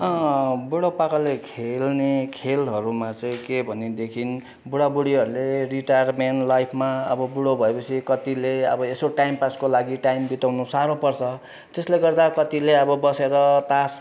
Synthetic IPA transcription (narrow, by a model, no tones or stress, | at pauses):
ʌ̃buɽopakalekʰelnekʰelɦʌɾumat͡sʌĩkebʱʌned̪ekʰin | buɽabuɽiɦʌɾuleriʈajrmeɳʈlajpʰmaʌbʌbuɽobʱʌepʌt͡sʰikʌt̪ileʌ̰bʌesoʈajmpaskolaɡiʈajmbit̪awnusaɾopʌrt͡sʰʌ | t̪esleɡʌrd̪akʌt̪ileʌbʌbʌseɾʌt̪as